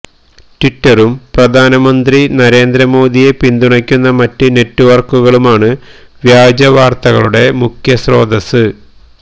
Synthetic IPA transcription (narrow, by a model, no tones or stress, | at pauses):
ʈwitːɐrumprɐd̪ʱaːnɐmɐnd̪rinɐɾe̞ːnd̪ɾɐmo̞ːd̪ʱije̞pind̪uɳɐkʲːunːɐmɐtːɨne̞tːuʋɐrkuɣɐɭumaːɳɨʋjaːd͡ʑɐʋaːrt̪ɐɣɐɭuɽe̞mukʰjɐsro̞ːd̪ɐsɨ